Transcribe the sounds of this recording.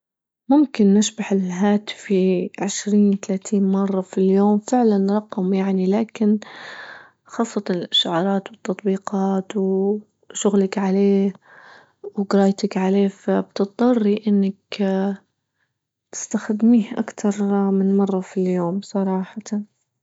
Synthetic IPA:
mʊmkɪnːɪʃbaħɪlɦaːt̪fiʕɪʃɾiːnt̪alaːt̪ʰiːnmɑrˤːɑfiljoːmfɪʕlanɾˤɑqɑmjaʕnilaːkɪn | xɑːsˤːɑt̪ɑɪlʔaʃʊʕɑːɾˤɑːt̪wɨt̪ːɑt̪ˤbiːqɑːt̪w | ʃʊɣlakʕaleː | wɡɾɑːjt̪akʕaleːfabt̪ɨt̪̚ˤd̪ˤɑrˤːiʔɪnːak | t̪ɪ̥st̪axad̪miːhʔa̰kt̪ʰɑɾˤmɪnmɑrˤːɑfiljoːmsˤɑɾˤɑːħɑ

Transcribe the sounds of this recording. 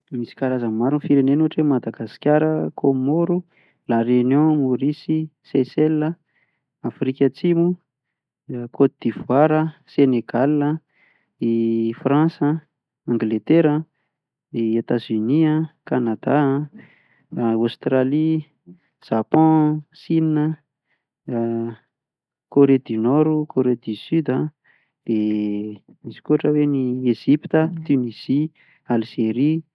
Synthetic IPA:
misi̥kaɾazammaɾunfiɾenenuaʈ͡ʂemad̪aɡasi̥kʲjaɾəkʰomoɾu | larenɔ̃muɾisisesɛlːə | afɾikʲət͡simu | kʰod̪̥ivwaɾəseneɡalə | ifrãsə | ãŋɡlet̪eɾə | niat̪azyniãkanad̪aã | ost̪ɾali | ʒ̥apɔ̃sininə | koɾed̪inɔɾukʰoɾed̪isyd̪ə | d̪̥e | iz̥i̥kuaʈ͡ʂəwenieʒipi̥t̪ət̪yniz̥i | alizeɾi

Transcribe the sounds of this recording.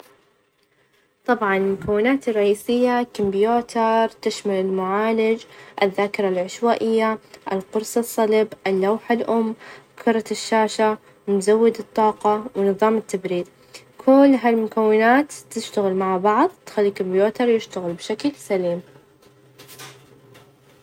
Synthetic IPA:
t̪ˤɑbʕɑnɪlmʊkawːɪnaːt̪ɪrˤːɑʔiːsɪjːakɪmbjoːt̪ɑɾˤt̪ɪʃmalɪlmʊʕaːlɪd͡ʒʔɪðːaːkɪɾˤalʕɪʃwaːʔɪjːaʔɪlqʊɾsˤɨsˤːɑlɪbʔɪlːawħalʔʊmːkʰʊɾˤɑʃːaːʃa | mzawːɪd̪ɨt̪ˤːɑːqɑwnɨðˤɑːmɪt̪ːabɾiːɾ | kʰʊlːɦalmʊkawːɪnaːt̪t̪ːɪʃt̪aɣɪlmaʕbɑʕðˤt̪xalːikɪmbjoːt̪ɑɾˤjɪʃt̪aɣɪlbʃaklsaliːm

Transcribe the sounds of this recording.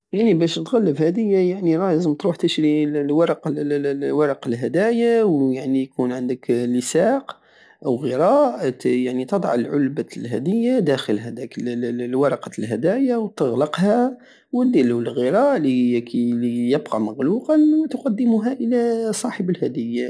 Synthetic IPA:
jaʕnibæʃt̪ɣælːəfhæd̪əjːajaʕniɾˤɑjzəmt̪ɾuħt̪əʃɾilwɑɾˤɑq | wɑɾˤɑqəlɦæd̪æjawjaʕnijkunʕənd̪əkləsæq | wɣəɾˤɑʔʔ̪jaʕnit̪əd̪ˤʕəlʕʊlbalɦæd̪əjːad̪æxəlhæd̪ækəlwɑɾˤɑqɑlɦæd̪æjawt̪əɣlɑqhæ | wəd̪ilulɣəɾˤɑʔlikʰilijəbqɑməɣluqɑnwt̪ʊqɑd̪ːəmuɦæʔəlæsˤɑħəbəlhæd̪əjːa

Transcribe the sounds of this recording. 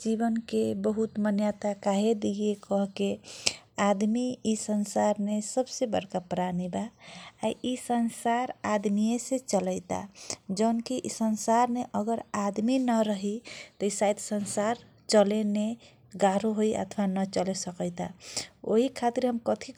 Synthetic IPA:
d͡ʒibənkebəɦut̪mənjat̪akaɦed̪iekəɦke | ad̪miisənsaɾnesəbsebə̰ɾkapɾanibaːiisənsaɾad̪mijeset͡ʃələɪt̪a̰d͡ʒənkiʔisənsaɾneʔəɡəɾad̪minəɾəɦit̪ɔisajd̪sənsaɾ | t͡ʃəlene | ɡaɾoɦoiʔə̰t̪ʰʋanət͡ʃəlesəkəɪt̪ao̰ɦikʰat̪iɾɦəmkət̪ʰi

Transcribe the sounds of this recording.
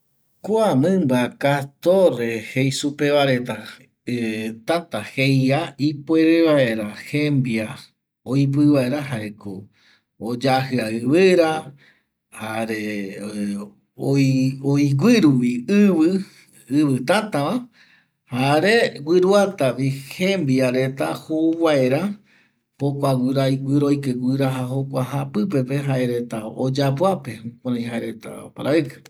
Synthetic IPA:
koamɨ̃mbakat̪orehejsupeβaɾe̞t̪a | t̪at̪ahejaipoeɾeβae̞ɾahembia | ojp̬ɨβaeɾaɦaeko | od͡ʒaɦɨaɨβɨɾa | haɾe | oojɡʷiɾuwiɨβɨ | ɨβɨt̪at̪aβa | haɾeɡʷiɾuat̪aβihẽmbiaɾe̞t̪ahowaeɾa | pokʷaɡʷɨɾaiɡʷɨɾojkeɡʷɨɾaɦaɦokʷaɦapɨp̬e̞pe̞ɦaeɾe̞t̪aod͡ʒapwape̞hũkʷãɾãj̃ɦaeɾe̞t̪a̰paɾaɨkḁ

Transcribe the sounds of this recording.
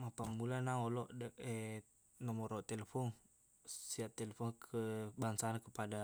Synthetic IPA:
mapamulanaɔlɔʔdəʔɛ | nɔmɔɾɔʔt̪ɛlɛfɔŋ | siaʔt̪ɛlɛfɔŋkʰəbaŋsalakəpada

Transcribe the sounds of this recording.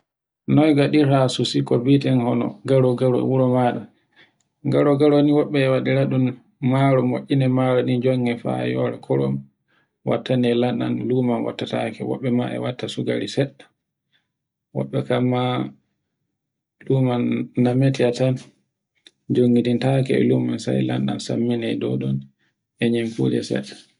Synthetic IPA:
nɔjɡaɗiɾasusikɔbitɛnhɔnɔ̰ɡaɾɔɡaɾɔ̰wuɾɔmaɗa | ŋɡaɾɔɡaɾoniwɔɓːɛːwaɗiɾaɗun | maɾɔmoʔʲːinɛmaɾɔnid͡ʒɔŋɡɛfa̰jɔ̰ɾɛ̰kʰɔɾɔm | wa̰tːanɛlanɗa̰nlumanwa̰tːatakɛ̰wɔ̰ɓːɛma̰ɛ̰watːasuɡa̰ɾisɛɗḁ | wɔ̰ɓːɛkamːa | lumanːametiatan | d͡ʒoŋɡidintakɛɛ̰lumansa̰jla̰nɗa̰nsa̰mːinɛjdɔ̰ɗɔn | ɛɲimfṵd͡ʒɛ̰sɛ̰tːḁ

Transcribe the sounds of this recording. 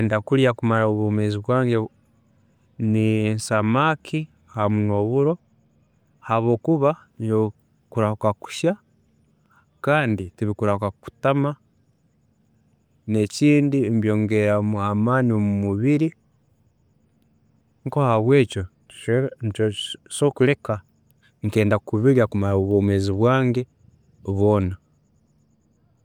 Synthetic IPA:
endakuljakumaɾaoβumeziβwaːɲɟe | ninsamakʰi | hamuno̞βuɾo̞ | haβo̞ːkuβano | kuɾakaku̥ʃa | kaːnditiβikuɾakaku̥tama | ne̞ciːndimbjo̞ːŋɡeɾamuamaːniomumuβiɾi | ŋko̞haβwe̞ːco̞̥ | ntosokuɾe̞ka | ŋke̞ːndakuβiɾjakumaɾaβoːmweziβwaːŋɡe | βo̞ːna

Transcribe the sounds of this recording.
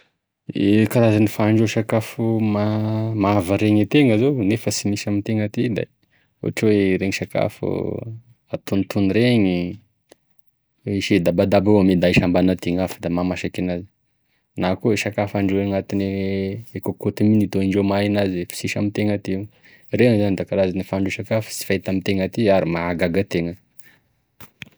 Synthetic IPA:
ekaɾazanifaɳɖ͡ʐeʃakafumamaavaɾeɲet̪eŋəzownefəsimisamit̪eŋət̪id̪a̰ | ṵaʈ͡ʂweɾeŋiʃaka̰fṵ | at̪unit̪uniɾeɲi | iʃed̪abad̪abaamed̪aiʃambanat̪iŋafə̥d̪amamaʃakinazi̥ | nakoeʃakafaɳɖ͡ʐoeŋat̪ineekokot̪iminit̪oiɳɖ͡ʐomainazfi̥siʃa̰mit̪eŋat̪iu | reŋzanid̪akaɾazanifaɳɖ͡ʐuʃakafu̥si̥fajt̪amit̪eŋət̪iaɾimaaɡaɡat̪eŋə

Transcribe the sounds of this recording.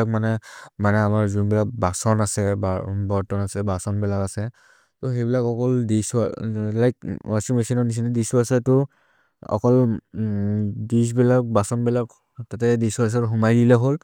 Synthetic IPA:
ak̚manɛmanɛamaɹzunbilak̚basɔnasɛbabɔɹtɔnasɛbasɔnbɛlakasɛ | tɔxejbilakɔkɔldisa̰lajk̚asimesɔnɔnis̬indisuasatɔ | ɔ̰kɔl | dis̬bilak̚basɔnbɛlak | tatɛdisuas̬aɦumajdilɛɦol

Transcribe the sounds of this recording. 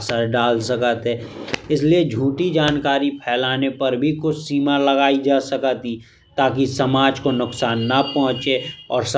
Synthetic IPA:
səɾɖaːlsəkət̪ɦɛːɪs̬lied͡ʒʱuːʈid͡ʒaːnkaːɾipʰɛːlaːnepɐɾbʱikʊt͡ʃʰsiːmalɐɡaːid͡ʒaːsəkət̪i | t̪aːkisɐmaːd͡ʒkonʊksaːnːɐpɔ̃ɦə̃t͡ʃeɔːɾs

